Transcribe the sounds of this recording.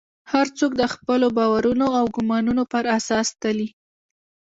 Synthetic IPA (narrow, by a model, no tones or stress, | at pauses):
haɾt͡sokd̪əxpəlobɑwaɾunoawɡʊmɑnunopəɾasɑst̪ali